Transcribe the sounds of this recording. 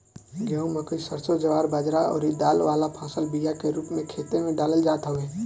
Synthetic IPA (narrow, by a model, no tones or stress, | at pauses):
ɡɛũməkəisəɾsod͡ʒəʋaːɾbaːd͡ʒɾaɔ̰ːɾid̪aːlʋaːlapʰãːsəlbijakeɾuːpmẽkʰeːt̪emẽɖaːləld͡ʒaːt̪ɦoeː